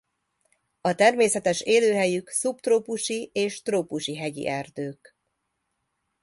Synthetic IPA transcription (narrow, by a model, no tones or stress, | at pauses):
ɒt̪ɛrmeːsɛt̪ɛʃeːløːɦɛjyksupt̪roːpuʃieːʃt̪roːpuʃiɦɛɟḭʔɛrd̪øːk